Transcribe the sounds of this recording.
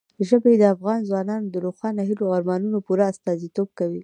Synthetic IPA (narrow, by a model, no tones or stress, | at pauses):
əʒəbeed̪əafɣɑnzwɑnɑnod̪əɾoxwɑnaɦiloɑɾmɑnunopuɾaːst̪ɑzit̪ob̚kawi